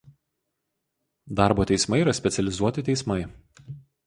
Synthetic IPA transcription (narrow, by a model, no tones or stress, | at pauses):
d̪ɑˑɾboːt̪ʲɛɪsmɐɪiːɾɐsʲpʲɛt̪sʲɛlʲɪzuɔt̪ʲɪt̪ʲɛɪsmɐɪ